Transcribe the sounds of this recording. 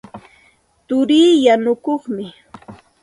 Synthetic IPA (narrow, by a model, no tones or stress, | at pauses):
t̪ʊɾiːjanʊkoχmɪ